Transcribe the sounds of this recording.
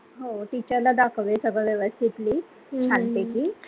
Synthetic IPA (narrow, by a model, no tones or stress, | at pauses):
ɦoʈ̪it͡ɕəɾlad̪akʰʋesəɡəɭʋjeʋəst̪ʰit̪liː | t͡ɕʰant̪ekiː